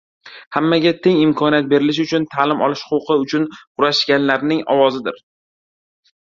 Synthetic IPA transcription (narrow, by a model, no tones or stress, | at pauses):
hamːaɡʲat̪ʰe̞ŋɪmkʰɒnijat̪̚be̞ɾɪlɪʃ̬ʊt͡ʃʰʊnt̪ʰalɪmɒ̰lˠɪʃχʊqʰɨʊt͡ʃʰʊnqʰʊɾaʃɡʲanlaɾnɪŋɒ̰wɒzɪd̪ɪɾ